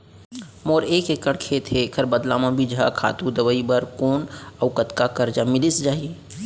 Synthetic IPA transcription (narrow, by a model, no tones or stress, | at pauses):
moːɾeːkekəɽkʰet̪ʰekʰəɾbəd̪lamãbʱid͡ʒɦa̰kʰa̰ːt̪ud̪əʋəibəɾkoːnəʊkət̪kakəɾd͡ʒamɪlisd͡ʒaːɦie